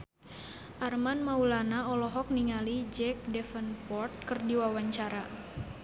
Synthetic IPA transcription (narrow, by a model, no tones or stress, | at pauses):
ʔarmanmaulanaɔlɔɦɔk̚niŋalid͡ʒɛk̚dɛfənpɔrt̪̚kərdiwawaɲt͡ʃaɾa